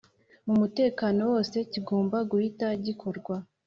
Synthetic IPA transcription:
mumute̞ːkaːno̞wo̞ːse̞ciɡo̞ːmbaɡuhitaɟikʰo̞ɾɡwa

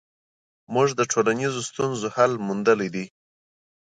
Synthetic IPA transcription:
muʐd̪əʈʰolanizost̪unzohalmund̪əlid̪i

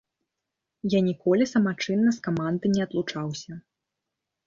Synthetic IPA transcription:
janʲikɔlʲisɐmat͡ʂɨnːɐskamand̪ɨnʲɛɐt̪lˠut͡ʂawsʲɐ

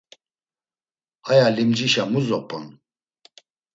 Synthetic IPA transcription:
ajalimd͡ʒiʃamuzɔpʼɔ̰n

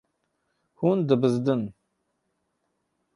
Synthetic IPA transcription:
hund̪ɨbɨzd̪ɨn

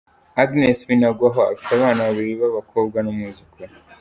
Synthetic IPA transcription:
aɡnesβinaɡwaɦoa̰fi̥taβaːnaβaβiɾiβaβakʰo̞ːb̚ɡanumuzikʰo

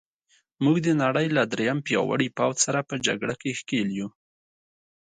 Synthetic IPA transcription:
muɡd̪ənaɽəjlad̪ɾejampjɑ̰wa̰ɽipawt̪saɾapəd͡ʒa̰ɡɽakexkelju

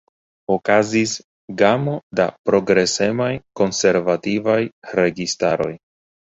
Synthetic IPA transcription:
o̞kazis | ɡamo̞da̰pɾo̞ɡɾe̞se̞majko̞nse̞ɾvativajɾe̞ɡistaɾo̞j

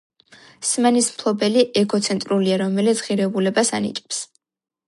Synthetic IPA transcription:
smɛnismpʰlˠɔbɛliʔɛɡɔt̪sʰɛnt̪ʼɾuliaɾɔmɛlɛt̪sʰʁiɾɛbulɛbasa̰nḭt͡ʃʼɛ̥ps

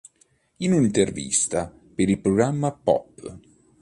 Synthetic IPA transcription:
inint̪ervḭst̪a | peɾilpɾɔɡɾamːapɔ̰pː

